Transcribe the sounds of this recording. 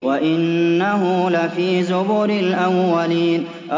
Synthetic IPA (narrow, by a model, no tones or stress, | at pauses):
waʔɪnːaɦʊlafiːzʊbʊɾɪlʔawːaliːn | ʔa